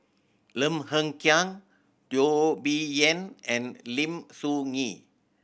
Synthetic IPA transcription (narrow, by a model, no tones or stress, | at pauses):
lə̃mhə̃ŋkjãŋ | dobiɛ̃nɛ̃nlĩmsuŋi